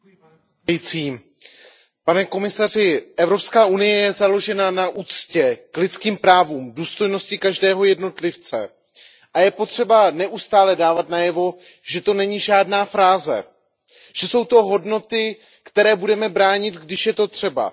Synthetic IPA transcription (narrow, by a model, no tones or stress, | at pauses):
jt͡siː | panɛko̞mɪsar̝ɪʔɛvɾo̞pskaːʔunɪjɛjɛzalo̞ʒɛnanaʔuːt͡scɛklɪt̪t͡skiːmpɾaːvuːmduːst̪o̞jno̞scɪkaʒdɛːɦo̞jɛdno̞t̪lɪft͡sɛ̰ | ʔajɛpo̞t̪r̝̥ɛbanɛʔust̪aːlɛdaːvat̪najɛvo̞ | ʒɛt̪o̞nɛɲiʒaːdnaːfɾaːzɛ̰ | ʒ̥ɛso̞wt̪o̞ɦo̞dno̞t̪ɪ | kt̪ɛɾɛːbudɛmɛbɾaːɲɪt̪ɡdɪʃjɛt̪o̞t̪r̝̥ɛba̰